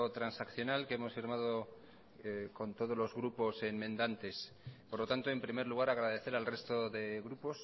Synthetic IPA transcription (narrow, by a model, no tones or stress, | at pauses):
ot̪ɾansakθjo̞nalkeemo̞sfiɾmað̞o̞ | kont̪o̞ð̞o̞zlo̞zɣɾupo̞semmẽnd̪ant̪e̞s | poɾlo̞t̪ant̪o̞e̞mpɾime̞ɾluɣ̞aɾaɣɾaðe̞θe̞ɾalre̞st̪o̞ðe̞ɣɾupo̞s